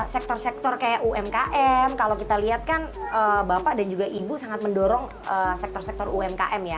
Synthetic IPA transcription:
sɛk̚t̪ɔrsɛk̚t̪ɔrkajaʔuɛmkaʔɛmkalokit̪aliɦat̪̚kanəbapaʔdand͡ʒuɡaʔibusaŋat̪̚məndɔɾɔŋ | əsɛk̚t̪ɔrsɛk̚t̪ɔruɛmka̰ʔɛmja

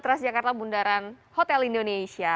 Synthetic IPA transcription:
t̪ɾasd͡ʒakart̪abundaɾanhot̪ɛlindonesia

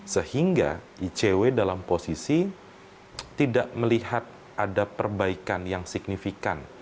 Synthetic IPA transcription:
səhiŋɡa̰ʔit͡ʃewedalamposisi | t̪idaʔməliɦat̪̚ | ʔadapərbaikanjaŋsik̚nifikan

